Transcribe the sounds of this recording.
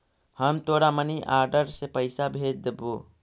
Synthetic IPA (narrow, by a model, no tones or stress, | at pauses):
həmt̪oːɽaməniʔaːɾɖəɾsepəɪsabʱeːd͡ʒd̪eboː